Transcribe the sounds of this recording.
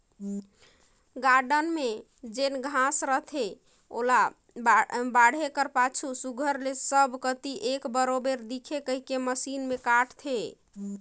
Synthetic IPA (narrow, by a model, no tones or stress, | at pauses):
ɡaɾɖənme | d͡ʒenɡʱãsɾəɦt̪ʰe | o̰la | bbaɽ̤ekəɾpat͡ʃʰusuɡʱəɾlesəbʱkət̪iʔekbəɾobeɾd̪ikʰekəɦikeməsinmekaʈʰt̪ʰe